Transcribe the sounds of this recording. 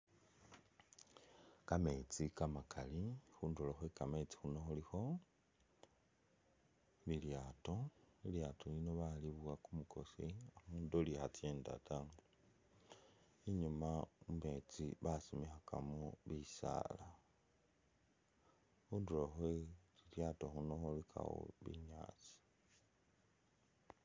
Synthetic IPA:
kame̞t͡sikamakʰalixunduloxwekame̞t͡si̥xunoxulixo̞ | βiljatoiljaːtolino̞βaliβwakumuko̞̰siamuːndolixat͡sjeːnda̰ta | iɲumaume̞t͡siβasimixaka̰muβisa̰la | uduloxwet͡siljatoxunoxolikʰa̰wo̰βḭɲa̰ːt͡si̥

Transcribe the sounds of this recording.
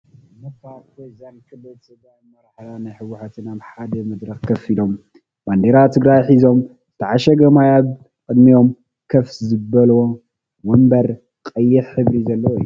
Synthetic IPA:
mɐfawojzankʰɨbɨlt̪ɨɡɾajmɐɾaħlanajħɨwːʊħat̪ʰɨnaβħad̪ɐmɐd̪ɾɐxkʰɐfilo̞mː | and̪eɾat̪ʰɨɡɾajħizo̞m | zɨt̪ʰɐʕaʃɐɡɐmajaβ | kʼɨd̪mijo̞m | kʰɐfszɨbɐlwo | wɐmbɐɾ | kʼɐjːɪħħɨβɾizɐlːɐw̰jːu

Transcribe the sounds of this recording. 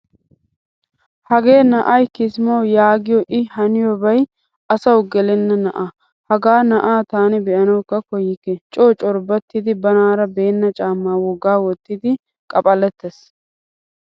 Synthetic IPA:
hɐɡe̞ːnɐʔɐjkɪsmɐwjaːɡɪjɔʔɪhɐnɪjɔbɐj | ʔɐsɐwɡɛlɪnːɐnɐʔɐ | hɐɡaːnɐʔaːt̪aːnɪbɛʔɐnɐwkːɐkɔjːɪkɛt͡ʃʼoːt͡ʃʼɔɾbɐt̪ːɪd̪ɪbɐnaːɾɐbe̞ːnːɐt͡ʃʼaːmːaːwɔɡːaːwɔt̪ːɪd̪ɪ | kʼɐpʼɐlɛt̪ːɛs

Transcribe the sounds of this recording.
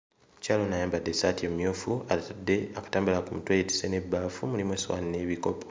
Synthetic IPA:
mucaːlonajaːmbadːesaːtiemumjoːfuatadːe̞akḁtaːmbulakumutwejeti̥sene̞bːaːfumulimweswa̰ːnine̞ːβiko̞po

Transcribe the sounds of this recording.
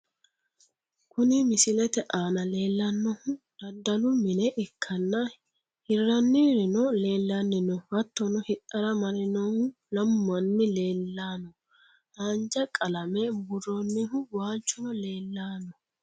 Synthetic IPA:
kʊnɪmɪsɪlɛt̪ɛʔaːnɐle̞ːlːɐnːɔhʊd̪̥ɐd̪ːɐlʊmɪnɛʔɪkʰːɐnːɐ | hɪrːɐnːiɾɪnɔleːlːɐnːɪnɔhɐt̪ːɔnɔhɪᶑɐɾɐmɐɾɪnɔ | lɐmːɐnːɪleːlːaːnɔ | haːnd͡ʒɐkʼɐlɐmɛbʊrɔnːɪɦʊwaːt͡ʃːɔnɔle̞ːlːaːnːɔ

